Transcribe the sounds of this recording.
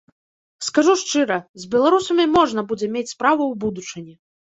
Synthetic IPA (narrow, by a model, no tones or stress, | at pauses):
skaʐuʂt͡ʂɨɾɐzʲbʲɛlˠaɾusɐmʲimɔʐnɐbud͡zʲɛmʲet͡sʲspɾavɐwbud̪ut͡ʂɨnʲɛ